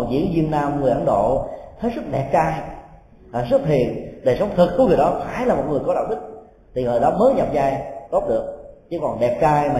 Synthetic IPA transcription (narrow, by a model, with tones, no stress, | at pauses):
ɔ˨˩zḭ˧˥ənzi˧ənnaː˧mŋɨ˨˩əjʔə̰˧˦nɗo̰˧˨t̪ʰə˨˦jzɨ˦˥k̚ɗɛ˨˩p̚t͡ɕaː˧j | aː˨˩zɨ˦˥k̚t̪ʰi˨˩ənɗəː˨˩sə˨˦wŋ͡mt̪ʰɨ˨˩k̚ːŋɨ˨˩əjɗɔ˨˦faː˧˩jlaː˨˩mo˨˩t̚ŋɨ˨˩əjkɔ˨˦ɗa̰ː˧˨wɗï˦˥k̚ | t̪ʰi˨˩ŋɨː˨˩jɗɔ˨˦məː˨˦ɲa˨˩p̚zaː˧jt̪o˦˥p̚ɗɨ˨˩ək̚t͡ɕɨ˨˦˥kɔ˨˩nɗɛ˨˩p̚t͡ɕaː˧jmaː˨